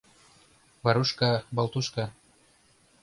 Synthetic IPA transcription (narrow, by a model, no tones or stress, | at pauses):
vaɾuʃkabɑlˠt̪uʃka